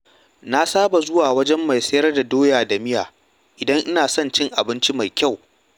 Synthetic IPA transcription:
na˦saː˦ba˨zʊ˦waː˨wɐ˦d͡ʒɛ˦mːa˨jsɐ˦jɐ˦rda˨doː˦jaː˨da˨mɪ˦ja̰ː˨ | ʔɪ˨dɐ˦ŋʔɪ˦naː˨sɐ˦˨nt͡ʃɪ˦ŋʔa˨bɪ˦nt͡ʃi˦ma˨jkʲa˦˨w

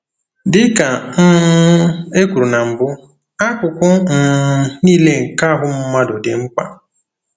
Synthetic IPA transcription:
dɪ˦ka˨m̩˦ | e˦kʷu˨ɾu˨na˨m̩˨bʊ˦ | a˦kʷʊ˨kʷʊ˦m̩˨˦niː˦le˦ŋ̩˨ka˦ɦʊ˦m̩˦ma˦dʊ˨dɪ̰˨ŋ͡m̩˦k͡pa̰˦

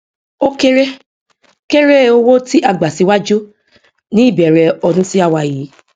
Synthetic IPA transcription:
o˦ke˦ɾe˦ | ke˦ɾe˦˨o˧wo˦ti˦ʔa˧ɡ͡ba˨si˧˦wa˦d͡ʒu˦ | nĩ˦i˦˨bɛ˨ɾɛ˧ɔ˧dũ˦si˦a˦˨wa˧˨ji˨˦

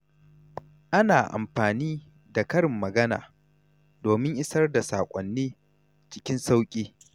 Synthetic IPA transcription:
ʔa˦naː˨ʔa̰˨mɸaː˨niː˦ | da˨kɐ˦ɽɪ˨mːɐ˨ɡɐ˦na̰ː˨ | doː˨mɪ˦ŋʔɪ˦sɐ˦rda˨sa̰ː˨kʷʼɔ˨nːiː˦ | t͡ʃɪ˦kʲɪ˦nsa˦wkʲʼiː˦

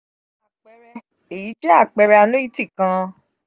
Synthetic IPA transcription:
a˨k͡pɛ˧ɾɛ˧ | e˨ji˨˦d͡ʒɛ˦a˦˨k͡pɛ˧ɾɛ˧a˧nũ˦i˦ti˦˨kã˧

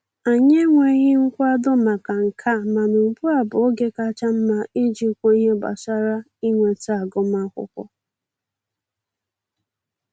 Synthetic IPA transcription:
a˨ɲe˦ŋʷe˨˦ɣɪ˦ŋ̩˦kʷa˦dʊ˦ma˨ka˨ŋ̩˨kʰa˦˨ma˨nʊ˨m̩˨pu˦a˨bʊ˨o˦ɡe˦ka˦t͡ʃa˦m̩˦ma˦i˦d͡ʒi˦kʷo˦i˦ɦe˦ba̰˨sa˦ɾa˦ | i˦ŋʷe˨ta˦a˨ɡʊ˦ma˦kʷʊ̰˦kʷɔ̰˦

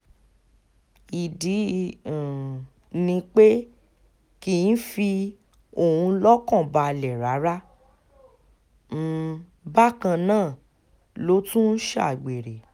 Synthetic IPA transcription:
i˨dĩ˨˦˨ | nĩ˧k͡pe˦ | ki˧˨n̩˦fi˧ | o˦˨hũ˧˦lɔ˦kɔ̃˦˨ba˧˨lɛ˨ɾa˨˦ɾa˦ | ba˦˨kã˧nãː˦˨ | lo˨˦tũ˦n̩˦ʃa̰˦˨ɡ͡be˨ɾe˨

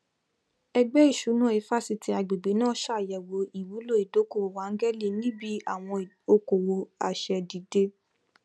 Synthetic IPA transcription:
ɛ˧ɡ͡bɛ˦i˦˨ʃu˨˦nã˦˨e˨˧˦fa˦si˧ti˧˦a˨ɡ͡be˨ɡ͡be˨˦nãː˦ʃa˦˨jɛ˨wo˧˦i˨wu˨˦lo˦˨i˨do˨˦ko˦˨o˨wa˨˦ŋ̩˦ɡɛ˦li˦˨˦nĩ˦bi˦a˦˨w̃ɔ̃˧i˨ | o˧ko˨wo˨a˨ʃɛ˧di˨de˧

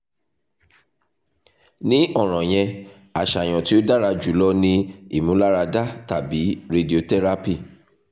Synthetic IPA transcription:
nĩ˦ʔɔ˦˨ɾ̃ɔ̃˨j̃ɛ̃˧ | a˨ʃa˨j̃ɔ̃˨ti˦o˦da˦ɾa˧d͡ʒu˨˦lɔ˧nĩ˧ḭ˦˨mũ˨˦la˦ɾa˧da˦ta˨bi˨˦ɾe˧di˦˨o˧tɛ˦ɾa˧˦pi˦˨

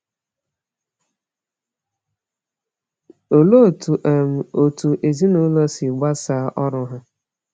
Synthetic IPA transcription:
o˨lo˦˨tu˨ʔm̩˨o˨tu˨ʔe˨zi˦nʊ˦lɔ˦si˨ɡ͡ba˦sa˨˦ʔɔ˦ɾʊ˦ɦʊ˦

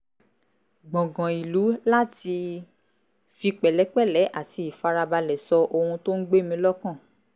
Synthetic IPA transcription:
ɡ͡bɔ̃˨ɡɔ̃˨i˨lu˨˦la˦ti˧ | fi˧k͡pɛ˨lɛ˨˦k͡pɛ˦˨lɛ˨˦ʔa˦˨ti˨˧i˨fa˧ɾa˧ba˧lɛ˨sɔ˧ʔo˧hũ˧to˦n̩˦ɡ͡be˦˨mĩ˧˦lɔ˦kã˦˨

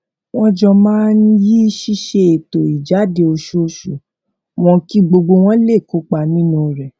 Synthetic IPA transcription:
w̃ɔ̃˦d͡ʒɔ˧mãː˦n̩˦ji˦ʃi˧˦ʃe˧e˨to˨i˨d͡ʒa˨˦de˧o˧ʃo˦˧˦ʃu˨ | w̃ɔ̃˧ki˦ɡ͡bo˧ɡ͡bo˧w̃ɔ̃˦le˦˨ko˨˦k͡pa˧˨nĩ˦nũ˦˨ɾɛ˨

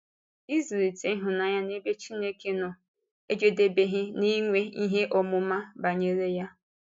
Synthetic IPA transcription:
i˦zi˨ɾi˨te˨˦ɦʊ˨na˨ja˦ne˦be˦t͡ʃi˦ne˦ke˨nɔ˨ | e˦d͡ʒe˦de˨be˨ɦɪ˦ni˦ŋʷe˦i˦ɦe˦ʔɔ˨mʊ˨ma˦ba˨ɲe˦ɾe˦ja˦

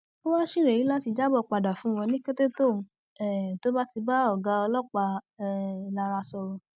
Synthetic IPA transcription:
o˦wã˦ʃi˦˨ɾe˨i˨˦la˦ti˧d͡ʒa˦bɔ˦˧˨k͡pa˧da˨fũ˨˦w̃ɔ̃˧nĩ˦ke˦te˦to˦˨mũ˧˦ | ɛ˦˨to˦ba˦ti˧ba˦ɔ˦˨ɡa˨˦ɔ˧lɔ˦˨k͡pa˧ɛ˦˨la˧ɾa˧sɔ˧ɾɔ˧

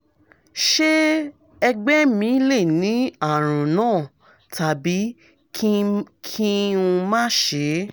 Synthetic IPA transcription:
ʃe˦ | ɛ˧ɡ͡bɛ˦mĩ˨˦le˦˨nĩ˨˦a˦˨ɾ̃ũ˨nãː˦˨ | ta˨bi˨˦ | kkʰi˦ũ˧mã˦ʃe˨˦

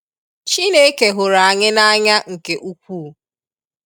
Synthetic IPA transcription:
t͡ʃi˦ne˦ke˨ɦʊ˨ɾa˨a˨ɲɪ˦na˦ɲa˦ŋ̩˨ke˨ʔu˦kʷuː˦˨

